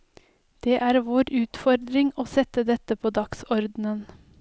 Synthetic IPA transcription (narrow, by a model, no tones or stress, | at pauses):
d̪̥eːʔæːɾʋoːɾʉːt̪fɔɾd̪ɾɪŋoːsɛt̪əd̪ɛt̪əpʰoːd̪ɑksɔɾd̪n̩ən